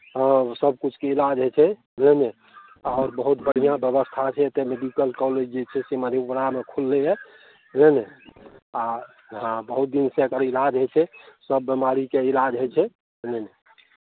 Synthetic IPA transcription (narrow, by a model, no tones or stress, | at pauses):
səb̚kut͡ʃʰkeilad͡ʒɦet͡ʃʰɛ | lene | ɔʊɾbəɦut̪̚bəɽ̤ijãbjəβəst̪ʰat͡ʃʰɛt̪emeɖikəlkɔled͡ʒd͡ʒet͡ʃʰɛseməd̪ʱebəɽamekʰulːejɛ | nene | a | ɦãbəɦut̪̚d̪insẽkəɾilad͡ʒɦot͡ʃʰɛsəbːimaɾikeilad͡ʒɦot͡ʃʰɛ | nene